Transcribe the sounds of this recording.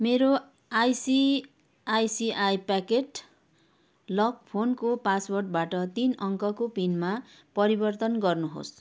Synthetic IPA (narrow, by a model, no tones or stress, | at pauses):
meɾo | ajsi | ajsiʔajpakeʈ | lʌkpʰonkopaswʌrʈbaʈʌt̪inʌŋkʌkopinma | pʌɾibʌrt̪ʌnɡʌrnuɦo̰s